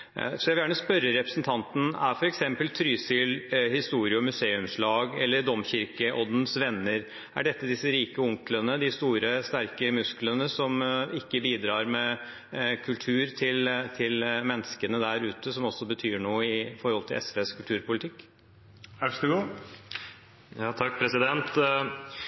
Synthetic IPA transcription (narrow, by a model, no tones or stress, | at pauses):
sɔjæʋɪljæːɳəspœɾəɾɛpɾəsnt̪ʰɑnt̪n̩æ̰ɾfɔɾɛksɛmpəlt̪ʰɾyːsʏːlhɪst̪uːɾɪɔmʉseːʉmslɑːɡɛlːəɖ̪ɔmçɪɾkəʔɔd̪nsʋɛnːəɾ | ʔæ̰ɖɛt̪ːəd̪ɪsːəɾiːkəʊŋklənəd̪ɪst̪uːɾəst̪æɾkəmʉsklənəsɔmɪkːəbiːd̪ɾɑːɾmɛ | kʰʉlt̪ʰʉːɾt̪ʰɪlt̪ʰɪlmɛnskənəd̪æɾʉːt̪əsɔmɔsːɔbət̪ʰyːɳuːəɪfɔɾhɔlt̪ʰɪlʔɛ̰sʋeːskʰʉlt̪ʰʉːɾpʊlɪt̪ʰɪkː | ækəɡuː | jɑːt̪ʰɑk̚ːpʰɾɛsɪd̪ɛnt̪